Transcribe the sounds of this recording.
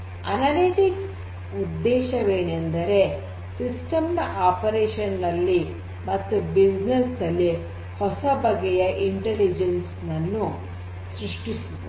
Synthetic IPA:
ɐnɐliʈiks | ud̪ːɛːʃɐʋeːnend̪ɐɾe̞ | sisʈɐmnɐʔaːpɐɾeːʃɐnːɐlːi | mɐt̪ːubid͡ʒnesd̪ɐlːi | hɔsɐbɐɡɛjɐʔiɳʈelid͡ʒensnɐnːu | sɾiʂʈisuu

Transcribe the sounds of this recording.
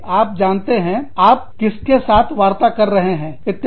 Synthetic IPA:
aːp̚d͡ʒaːnt̪eɦɛ̃aːp̚kɪskesaːt̪ʰʋaːɾt̪akɐɾːɐɦeɦɛ̃ːkɪt̪

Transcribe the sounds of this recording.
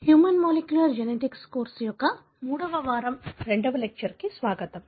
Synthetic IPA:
hjuːmɐnmoːlekjulɐɾd͡ʒeneʈikskoːɾsjɔkːɐ | muːɽɐʋɐʋaːɾɐmɾeɳɖɐʋɐlek̚t͡ʃɐɾkisʋaːɡɐt̪ɐm

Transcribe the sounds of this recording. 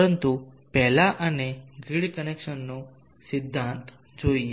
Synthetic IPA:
ɾənt̪upɛɦlaʔəneɡiɭikənekʂənːo | sid̪ʱːãnt̪ | d͡ʑoie

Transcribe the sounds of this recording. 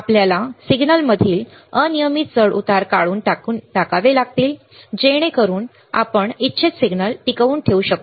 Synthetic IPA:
apljalasiɡnəlməd̪ʱiːl | ənijəmit̪̚t͡səɭʔṵt̪aɾkaɭuːnʈaunʈakaʋelaɡ̚t̪iːl | d͡ʑeɽ̃ekəɾuːn | a̰pəɳitːt͡ɕʰet͡ssiɡnəlʈikəʋuːnʈʰeuɕək̚t̪o

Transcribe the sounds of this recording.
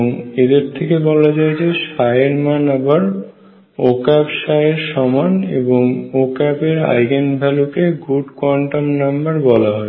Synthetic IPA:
ŋed̪eɾt̪ʰekebɔlad͡ʑajd͡ʑeʃaeɾmanabaɾ | okɛpʃaeɾʃɔmanḛboŋokɛpeɾa̰jɡenbʱɛlukeɡuɖkwɔɳʈamnambaɾbɔlaɦɔe

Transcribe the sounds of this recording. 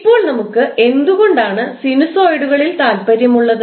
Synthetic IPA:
pːo̞ːɭnɐmukːɨe̞nd̪uɣo̞ɳɖaːɳɨsinusoːjɽuɣɐɭilt̪aːlpɐɾjɐmuɭːɐðɨ

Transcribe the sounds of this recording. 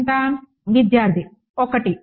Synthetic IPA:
nt̪aːn | ʋid̪jaːɾt̪ʰi | ɔkɐʈi

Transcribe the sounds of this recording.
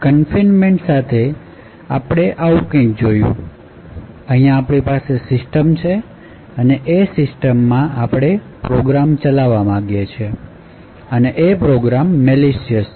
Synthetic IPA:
kənfinmeɳʈsat̪ʰe | apɽ̃eʔaũkə̃ɪk̚d͡ʒojṵ̃ | əɦijãːpɽ̃ipasesɪsʈəmt͡ʃʰe | əneʔesɪsʈəmːãapɽ̃e | pɾoɡɾamt͡ʃəlaʋamãɡjet͡ʃʰe | əneʔepɾoɡɾamːeleʃiəs

